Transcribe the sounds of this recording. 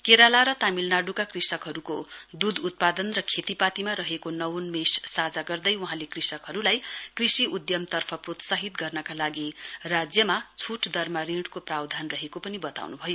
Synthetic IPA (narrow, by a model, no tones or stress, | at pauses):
keɾalaɾʌt̪amilnaɖukakrisʌkɦʌɾukod̪ud̪ut̪̚pad̪ʌnrʌkʰet̪ipat̪imaɾʌɦekonʌwonmessad͡zaɡʌrd̪ʌjwuɦãlekrisʌkɦʌɾulajkrisiud̪jʌmt̪ʌrpʰʌprot̪saɦit̪ɡʌrnʌkalaɡirad͡zjʌmat͡sʰuʈʰd̪ʌrmaɾĩɽkoprawd̪ʱanrʌɦekopʌnibʌt̪a̰wnubʱʌjo